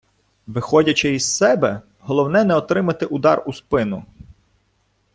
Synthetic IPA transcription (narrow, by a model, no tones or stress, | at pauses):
ʋɪxɔdʲɐt͡ʃɪizsɛbɛ | ɦɔlˠɔwnɛnɛɔt̪ɾɪmɐt̪ɪʔʊd̪ɑruspɪnʊ